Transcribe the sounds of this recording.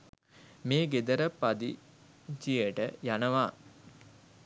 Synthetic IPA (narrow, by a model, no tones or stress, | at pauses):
meːɡed̪əɾəpad̪ḭ | d͡ʒijəʈəjanəʋaː